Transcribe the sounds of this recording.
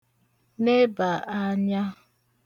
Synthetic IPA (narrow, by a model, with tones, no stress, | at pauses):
ne˦ba˨ʔa˦ɲa˦